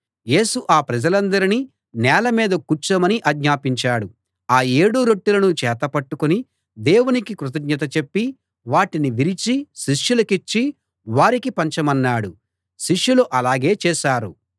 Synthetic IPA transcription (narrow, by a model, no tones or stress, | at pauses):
je̞ːsuʔaːpɾɐd͡ʒɐlɐnd̪ɐɾini | nɛːlɐmiːd̪ɐkut͡ʃɐmɐniʔɐɡɲaːpiɲt͡ʃaːɽu | aːe̞ːɽuɾoʈːulɐnut͡ʃɛːt̪ɐpɐʈːukuni | d̪eːwunikikɾut̪̬ɐɡɲɐt̪̬ɐt͡ʃe̞pːi | ʋaːʈiniʋiɾit͡ʃiʃiʂjulɐkit͡ʃːi | ʋaːɾikipɐɲt͡ʃɐmɐnːaːɽu | ʃiʂːuluʔɐlaːɡe̞ːt͡ʃɛːʃaːɾu